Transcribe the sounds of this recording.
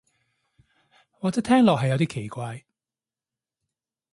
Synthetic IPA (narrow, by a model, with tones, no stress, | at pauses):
waː˨kt͡sɛː˨˥t̪ʰɛː˥ŋlɔː˨k̚ɦhɐ˨jːɐ˨˧wt̪iː˥kʰe˨˩jkʷaː˧j